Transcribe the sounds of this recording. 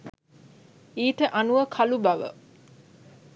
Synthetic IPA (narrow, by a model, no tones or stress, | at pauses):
iːʈəʔanuʋəkʰalubɐʋə̰